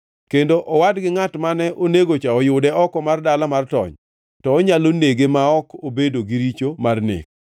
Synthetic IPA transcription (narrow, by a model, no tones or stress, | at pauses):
kendoʔɔwadɡɪŋatmanɛʔoneɡot͡ʃaɔjʊdɛɔkɔmardalamartɔ̰ɲ | tɔːɲaloneɡemaɔkobedoɡiɾit͡ʃomarnḛk̚